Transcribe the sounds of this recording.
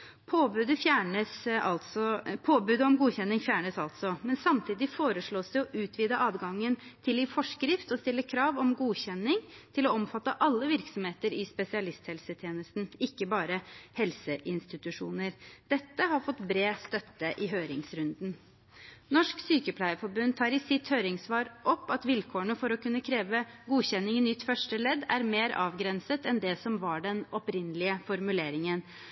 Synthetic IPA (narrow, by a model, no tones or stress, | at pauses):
pʰoːbʉd̪əfjæːɳəsɑɔpʰoːbʉːd̪əɔmɡuːçɛnːɪŋfjæːɳəsɑlt̪sɔmɛnsɑmt̪ʰiːd̪ɪfoːɾəʂɭoːsd̪ɛɔʔʉːt̪ʰʋiːd̪əʔɑːd̪ɡɑŋːənt̪ʰɪlɪfɔʂkɾɪft̪ɔst̪ɪlːəkʰɾɑːʋɔmɡuːçɛnːɪŋt̪ʰɪlɔɔmfɑt̪ːəʔɑlːəʋɪɾksɔmheːt̪əɾɪspɛsɪɑlɪst̪hɛlsət̪ʰjeːnəst̪n̩ɪkːəbɑːɾəhɛlsəʔɪnst̪ɪt̪ʉʂuːnəɾd̪̥ɛt̪ːəhɑɾfɔt̪ːbɾeːst̪œt̪ːəʔɪɦøːɾɪŋsɾʉnd̪n̩ | nɔʂksyːkəpʰlæɪəfɔɾbʉnd̪̚t̪ʰɑːɾɪsɪt̪høːɾɪŋsʋɑːɾʔɔpːɑt̪ʋɪlkʰoːəɳəfɔɾɔkʉnːəkʰɾeːʋəɡuːçɛnːɪŋɪnʏt̪ːfœʂʈəlɛd̪æɾmeːɾɑːʋɡɾɛnsət̪ɛnd̪ɛsɔmʋɑɖɛnɔpɾɪnːəlɪəfɔɾmʉleːɾɪŋən